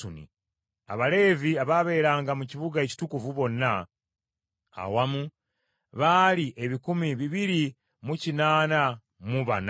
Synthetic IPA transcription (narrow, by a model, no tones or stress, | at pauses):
unḭ | a̰βale̞ːviaβaβe̞ːɾaːŋɡamuciβuɡae̞ci̥tukuvuβo̞nːa | a̰wamu | βaliʔe̞βikumiβiβiɾi | mucinaːna | muβan